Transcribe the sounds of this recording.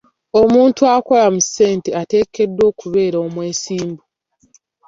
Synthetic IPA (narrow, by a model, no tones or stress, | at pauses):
o̞muːntuako̞lamusːe̞ːnteate̞ːke̞dːwo̞ːkuβe̞ːɾoːmwe̞ːsiːmbu